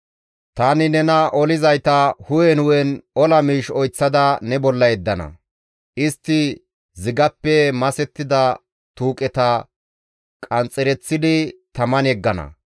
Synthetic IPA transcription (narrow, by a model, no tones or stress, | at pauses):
t̪aːnɪnɛnɐʔɔlɪzɐjt̪ɐhʊjɛnʊwɛnɔlɐmiːʃɔjt͡sːɐd̪ɐnɛbɔlːɐjɛd̪ːɐnɐ̰ | ʔɪst̪ːɪ | zɪɡɐpːɛmɐsɛt̪ːɪd̪ɐ | t̪uːkʼɛt̪ɐ | kʼɐnt͡sʼːɛɾɛt͡sːɪd̪ɪt̪ɐmɐnɛɡːɐnɐ̰